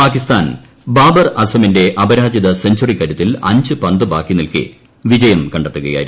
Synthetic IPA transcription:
paːkist̪aːn | baːbɐrɐsɐminde̞ʔɐbɐɾaːd͡ʑɐðɐsɐɲd͡ʑurikːɐɾut̪ːilɐ̰ɲd͡ʑɨpɐnd̪ɨbaːkːinilkɨ̰ | ʋid͡ʑɐjɐmkɐɳɖet̪ːuɣɐja̰ːjiɾu

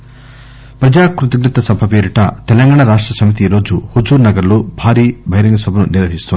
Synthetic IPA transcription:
pɾɐd͡ʒaːkɾut̪ɐɡnɐt̪ɐsɐmpʰɐpeːɾiʈɐ̰t̪ɛlɐŋɡaːɳɐɾaːʂʈɾɐsɐmit̪iɾo̞ːd͡ʒuhud͡ʒuːɾnɐɡɐɾloːbʱaːɾiːbʱɐjɾɐŋɡɐsɐbʱɐnuniɾʋɐɦist̪ond̪i

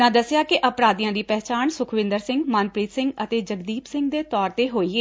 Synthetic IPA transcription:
ãːd̪əsjaːkɪʔəpɾaːd̪ijãːd̪iːpɛːɦt͡ʃaːnsʊkʰʋɪ̃nd̪əɾsɪ̃ŋɡmaːnpɾiːt̪sɪ̃ŋɡət̪eːd͡ʒəɡd̪iːpsɪ̃ŋɡd̪eːt̪ɔːɾt̪eːɦoːiːeː

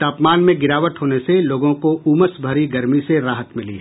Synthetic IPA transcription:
t̪aːpmaːnmẽɡɪɾaːʋət̪ɦoːneseloːɡõkoʔuːməsbʱɐɾiɡɐɾmiseɾaːɦət̪mɪlḭ

